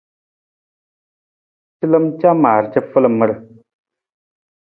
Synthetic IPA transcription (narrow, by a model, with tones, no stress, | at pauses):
t͡ʃi˦lə˦mt͡ʃa˦maː˨ɾt͡ʃə˦fə˦lə˨mə˦ɽə˨